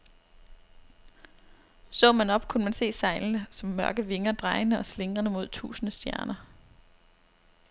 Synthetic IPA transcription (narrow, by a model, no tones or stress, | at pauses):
sɔ̰̽ːmænɒ̽b̥kʰunəmænse̝̰ːsɑ̈ɪln̩əsɒ̽mːɶɐɡ̥əʋe̝ŋɐd̥ʁɑ̈ɪnəʔɒ̽sle̝ŋʁɐnəmo̝ð̞̰ˠt͡sʰṵːsənəsd̥jæɐnɐ